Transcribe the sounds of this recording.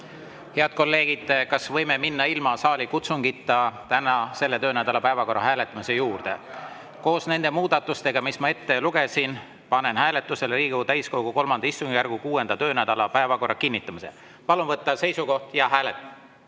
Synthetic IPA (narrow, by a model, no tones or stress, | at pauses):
he̞ɑd̪̥̚ko̞lːe̞ːɡ̥id̪̥kɑsvɤ̞jmeminːɑilmɑsɑːlʲikut̪suŋɡ̥it̪ːɑt̪ænɑse̞lːet̪øːnæd̪̥ɑlɑpæevɑko̞rːɑɦæːle̞t̪ːˑɑmise̞juːrd̪̥e̞̰ | ko̞ːsne̞nd̪̥e̞muːd̪̥ɑt̪ːˑust̪e̞ɡ̥ɑmismɑe̞t̪ːe̞luɡ̥e̞sin | pɑne̞nhæːle̞t̪ːˑuselriːɡut̪æjsko̞wɡ̥uko̞lmɑnd̪̥ɑist̪uŋɡijærɡ̥ukuːe̞nd̪̥ɑt̪ø̞ːnæd̪̥ɑlɑpæevɑko̞rːɑkinʲːit̪ːˑɑmise̞̰ | pɑlunvɤt̪ːɑse̞jsuko̞ht̪jɑɦæːlet̪ːˑ